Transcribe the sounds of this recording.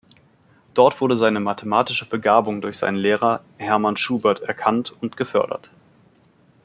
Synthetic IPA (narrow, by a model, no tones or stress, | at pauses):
d̥ɔɐtv̥ʊɐdəzaɪnəmatʰəmaːtɪʃəbəɡaːbʊŋdʊɐçz̥a̰ɪnənleːʁ̞ɐ | hɛɐmanʃuːbɐɐtɛɐkʰantʊntɡ̥əfœɐdɐ̰t